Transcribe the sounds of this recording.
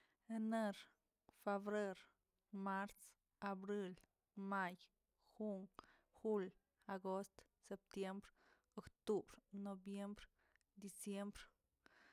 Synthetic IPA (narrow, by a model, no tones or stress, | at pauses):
eneɾ | febɾeɾ | maɾs | abɾil | maj | xuŋ | xul | aɡost̪ | sep̚t̪jembɾ | okt̪ubɾnobjembɾ | d̪isjembɾ